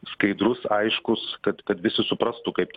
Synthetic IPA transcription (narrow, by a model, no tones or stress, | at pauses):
skɐɪd̪ɾʊsɐɪʃkʊskɐt̪kɐt̪ʋʲɪsʲɪsʊpɾɐst̪ʊkɐɪp̚t̪ʲ